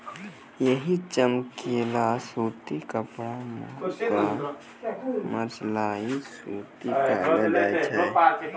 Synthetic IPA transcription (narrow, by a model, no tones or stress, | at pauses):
jəɦit͡ʃəmkelasuːt̪ikəpɽama̰wa | məɾt͡ʃlaːisuːt̪ipɛ̰ːəat͡ʃʰɛ